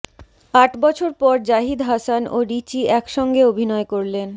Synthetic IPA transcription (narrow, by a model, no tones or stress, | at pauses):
aʈbɔt͡ɕʰoɾpɔɾd͡ʑaɦid̪ɦasanoɾit͡ɕiɛkʃɔŋɡeobʱinɔekoɾlen